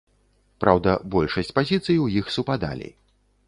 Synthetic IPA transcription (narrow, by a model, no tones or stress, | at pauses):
pɾawd̪ɐbɔlʲʂɐsʲt͡sʲpazʲit̪sɨjiwjixsupad̪a̰lʲḭ